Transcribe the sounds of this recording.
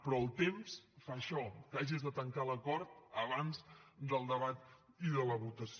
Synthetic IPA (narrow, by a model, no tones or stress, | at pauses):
pɾɔəlˠt̪emsfaʃɔkaʒizðət̪əŋkaləkɔɾt̪̚əβanzd̪əlˠd̪əβat̪ | iðələβut̪əs